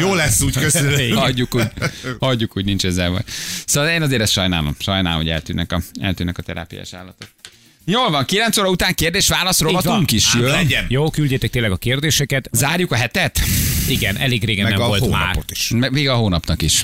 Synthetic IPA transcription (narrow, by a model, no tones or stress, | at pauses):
joːlɛsːuːckøzyɒɟːukuːɟhɒɟːukuɟnint͡ʃɛzːɛlvɒ̰jsoːɒleːnɒzeːɾɛst̪ʃɒjna̰ːlomʃɒjna̰ːlomɦoɟɛ̰lt̪yːnːɛkɒɛ̰lt̪yːnːɛkɒt̪ɛɾa̰ːpija̰ːʃa̰ːlːɒt̪ot̪̚ | joːlvɒŋkilɛnt̪soːɾɒut̪aːŋkeːrd̪eːʃtʋaːlɒsrovɒtuŋkiʃjøɛɛnjoːkylɟeːt̪ɛkt̪eːnlːɛɡɒkeːrd̪eːʃɛkɛt̪zaːrjukɒɦɛt̪ɛt̪iɡɛnʔɛleːɡreːɡɛnmɛɛvoloːma̰ːrpot̪i̥ʃmɛveːɡɒɦoːnɒpnɒkiʃ